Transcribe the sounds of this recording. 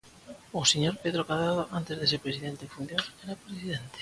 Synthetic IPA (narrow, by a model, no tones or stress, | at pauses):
oseɲoɾpeðɾokaðaðoʔant̪ezðesepɾesiðent̪efund̪joɾɛɾapɾesið̞ent̪e̥